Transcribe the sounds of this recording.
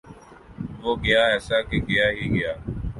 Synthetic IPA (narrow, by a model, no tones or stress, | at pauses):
ʋoːɡɪjaːɛːsaːkeɡɪjaːɦiːɡɪjaː